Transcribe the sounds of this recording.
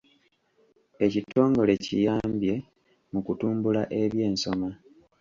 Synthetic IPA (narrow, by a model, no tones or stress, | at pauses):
e̞cito̞ːŋɡo̞le̞cḭjaːmbje̞ | mukutuːmbulaʔe̞βje̞ːnso̞ma